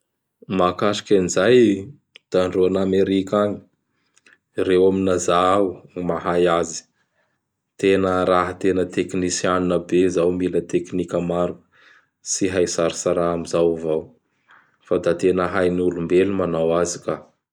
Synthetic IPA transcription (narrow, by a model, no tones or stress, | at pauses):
makaʃi̥kinzaj | d̪̥aɳɖ͡ʐuanameɾikʲaɲi | rewaminazaawmaɦajazi̥ | t̪enəɾaɦət̪enət̪eknisianunəbezawmilət̪eknikʲəmaɾukə̥ | siɦajsaɾisaɾaamizawvaw | fad̪at̪enəɦajniulumbelumanawazika